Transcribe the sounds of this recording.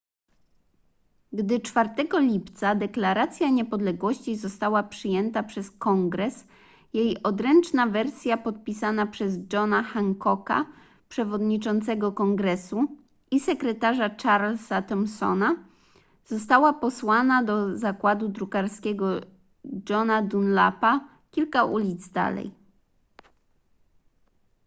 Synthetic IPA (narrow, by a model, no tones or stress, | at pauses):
ɡd̪ɘt͡ʂfaɾt̪ɛɡɔlʲipt̪sad̪ɛklaɾat̪sʲjaɲɛpɔd̪lɛɡwɔɕt͡ɕizɔst̪awapʂɘjɛnt̪apʂɛskɔŋɡɾɛs | jejɔd̪ɾɛnt͡ʂnavɛɾsʲjapɔt̪̚pʲisanapʂɛzd͡ʐɔnaxaŋkɔka̰ | pʂɛvɔd̪ɲit͡ʂɔnt̪sɛɡɔkɔŋɡɾɛsu | isɛkɾɛt̪aʐat͡ʂaɾlsat̪ɔmsɔ̰na | z̥ɔst̪awapɔswanad̪ɔzakwad̪ud̪ɾukaɾskʲɛɡɔ | d͡ʐɔnad̪unla̰pa | kʲilkaʔulʲid̪zd̪a̰lɛ̰j